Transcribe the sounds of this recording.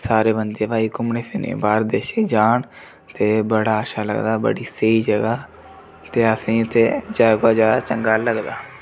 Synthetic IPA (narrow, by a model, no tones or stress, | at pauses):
saːɾeːbənd̪eːbaːiːkʊmneːpʰɪnḛːbaːɾd̪eːʃeːd͡ʒaːɳ | t̪eːbəɽaːəʃaːlə̰ɡd̪aːbə̰ɽiːsəiːd͡ʒəɡaː | t̪eːəsĩːʊt̪ʰːeːd͡ʒaːɡaːd͡ʒəɡaːt͡ʃəŋɡaːləɡd̪a̰ː